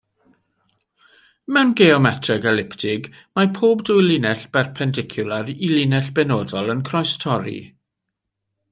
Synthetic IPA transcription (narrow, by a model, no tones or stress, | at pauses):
mɛwnɡɛɔmɛtʰrəɡəlɪptʰɪɡ | mapʰoːbdujlˠɪnɛɬb̥ɛrpʰɛndɪkʰjʊlˠaɾilˠɪnɛɬb̥ɛnoːdɔlˠənkʰrɔjstʰɔɾḭ